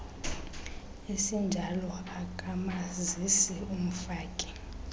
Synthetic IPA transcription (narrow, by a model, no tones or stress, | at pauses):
esind͡ʒʱalɔakʼamazisium̩faːkʼi̥